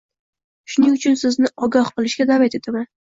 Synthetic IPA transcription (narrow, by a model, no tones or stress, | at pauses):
ʃʊnɪŋʊt͡ʃʰʊnsɪznɪʔɒɡɒhqɨlˠɪʃɡʲad̪avat̪et̪ʰaman